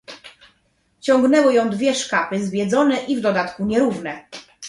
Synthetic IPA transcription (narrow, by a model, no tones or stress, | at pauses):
t͡ɕɔ̃ŋɡnɛwɘjɔ̃w̃d̪vʲjɛʂkapɘzvʲjɛd̪zɔnɛʔivd̪ɔd̪at̪kuɲɛɾuvnɛ